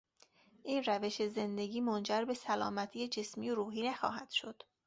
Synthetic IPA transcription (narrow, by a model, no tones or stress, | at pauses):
ʔiːnræve̞ʃeze̞nd̪e̞ɟiːmond͡ʒæɾbe̞sælɒːmæt̪ʰiːed͡ʒe̞smiːjoɾuːɦiːnæxɒ̰ːɦæd̪̥ʃo̞d̪̥